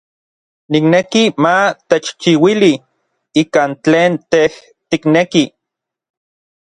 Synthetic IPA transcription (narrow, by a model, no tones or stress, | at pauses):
niknekimat̪et͡ʃt͡ʃiwili | iːkaːnt͡ɬeːnt̪eh | t̪ikneki